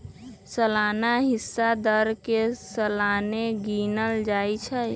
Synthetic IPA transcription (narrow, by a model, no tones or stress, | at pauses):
səlanaɦisːad̪əɾkesəlaneɡinəld͡ʒajt͡ʃʰə